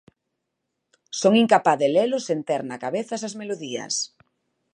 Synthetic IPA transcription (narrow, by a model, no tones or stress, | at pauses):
soŋiŋkapaðelelʊsent̪eɾnakaβeθɐsazmeloðiɐ̰s